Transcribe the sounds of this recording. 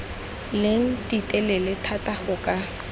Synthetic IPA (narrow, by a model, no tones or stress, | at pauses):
leŋ̩titʼɛlɛlɪtʰataχʊkʼa